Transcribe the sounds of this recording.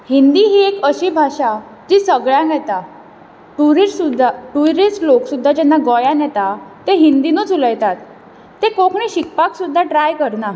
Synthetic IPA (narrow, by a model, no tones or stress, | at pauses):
hind̪iɦiːekəɕibʱaɕa | d͡ʑ̪isəɡɭjãnjɛt̪a | ʈuɾisud̪ʱːaʈuɾisʈloksud̪ʱːad͡ʑɛnːaɡɔjãnjɛt̪at̪eɦind̪inuːt͡suləjt̪at̪ː | ekokɳiɕik̚paksud̪ʱːaʈɾajkəɾna